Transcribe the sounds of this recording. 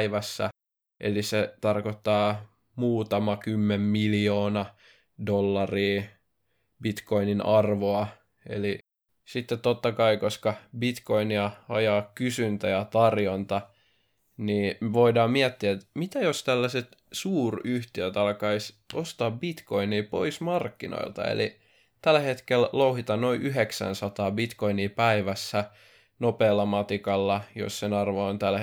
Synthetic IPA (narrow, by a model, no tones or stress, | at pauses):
iʋæsːæ | ʔḛliset̪ɑrkot̪ːɑː | muːt̪ɑmɑkymːemmiljoːnɑ | dolːɑriː | bit̪ko̞ininɑrʋoɑ | ḛli | sit̪ːet̪tot̪ːɑkɑikoskɑbit̪ko̞iniɑɑjɑːkkysynt̪æjɑt̪ɑrjont̪ɑ | niːʋoidɑːmiæt̪ːiæet̪mit̪æjost̪ælːæset̪suːryht̪iøt̪ɑlkɑisost̪ɑːbbit̪koiniːpo̞̰ismɑrkːino̰ilt̪ɑ̰ḛlḭ | t̪ælhet̪kellouhit̪ɑnnoiʔyɦeksæ̰nsɑt̪ɑːbit̪koiniːpæiʋæsːæ | nopeːlːɑmɑt̪ikɑlːɑjo̰ssenɑrʋoont̪æl